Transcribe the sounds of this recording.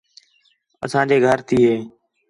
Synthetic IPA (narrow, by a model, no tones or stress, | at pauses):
ə̰sãːd͡ʒeːɡʱəɾt̪ʰiːɦeː